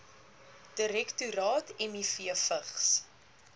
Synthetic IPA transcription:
d̥əɾɛktuɾɑːtɛmifiəfəχs

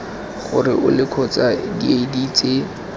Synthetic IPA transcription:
χʊ̰rɪʔʊ̰lɪkʰɔt͡sadiedit͡sʼe

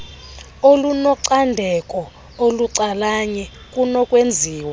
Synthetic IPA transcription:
olunɔǀandʱɛkʼɔ | oluǀalaɲɛ | kʼunɔkʼwend͡zʱiːwa

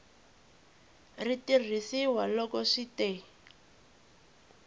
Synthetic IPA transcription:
ritir̤isiwalɔkɔʂite

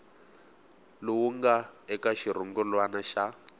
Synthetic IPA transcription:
lʊwuŋɡaɛkaʃiɾ̤uŋɡulwanaʃa

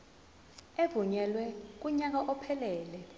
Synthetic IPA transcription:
evuɲɛlwɛk̬ʼuɲak̬aʔɔpʰɛlɛːlɛ

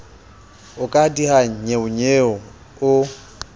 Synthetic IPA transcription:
ʊkʼadihaŋ̩ɲeʊɲeːɔ | ʊ

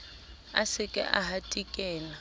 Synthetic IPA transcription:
a̰sɪkʼɪ̰ʔahatʼikʼɛːla

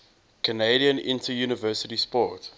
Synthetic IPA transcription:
kʰəneɪɾiə̃nɪ̰̃ntʰəjuːnəvɜːsətispɔt

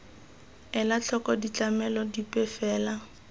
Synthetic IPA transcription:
ɛlat͡ɬʰɔkɔdit͡ɬamɛlɔdipʼɛfɛːla

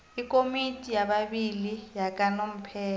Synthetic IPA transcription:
ikʼomitʼijaɓaɓilijakʼanom̩pʰɛː

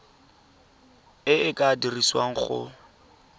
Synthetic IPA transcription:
ɪɪkʼadiriswa̰ŋ̩χʊ̰

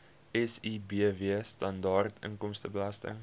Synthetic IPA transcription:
ɛsibiəviəstɐndɑːrtʰə̰ŋkɔmstəbəlastə̰ŋ

